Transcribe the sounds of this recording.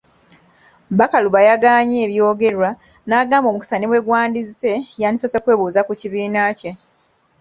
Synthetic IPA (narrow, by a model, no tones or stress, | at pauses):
bakaluβajaɡaːɲeːβjo̞ːɡe̞ɾwa | naːɡaːmbo̞muki̥saniβwe̞ɡwaːndizse̞janisosekwe̞ːβuːzakuciβiːnace̞